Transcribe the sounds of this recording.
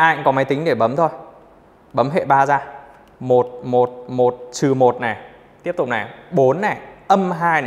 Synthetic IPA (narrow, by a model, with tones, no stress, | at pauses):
ʔaː˧˨kɔ˨˦ma˨˦jt̪ï˨˦ŋ̟ɗe˧˩ɓə˨˦mt̪ʰo˧j | ɓə˨˦mɦḛ˧˨ɓaː˧zaː˧ | mo˨˩t̚mo˨˩t̚mo˨˩t̚t͡ɕɨ˨˩mo˨˩t̚nɛ˨˩ | t̪i˦˥əp̚t̪ʊ˨˩k͡p̚na˨˩ɓo˨˦nːɛ˨˩ʔə˧mɦaː˧jnɛ˨